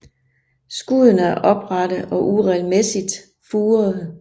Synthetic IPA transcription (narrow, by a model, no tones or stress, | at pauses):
sɡ̥uð̰ˠənəæɐʔɒ̽b̥ʁɑ̈d̥əɒ̽ʔuʁɛlmesid̥ | fuːɐðˠ